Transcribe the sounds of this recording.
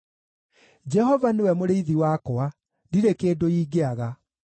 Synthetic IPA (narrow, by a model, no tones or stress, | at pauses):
d͡ʒɛhɔvanewɛmoɾeiðiwaːkɔa | ndiɾekeːdoiːɡeaɣa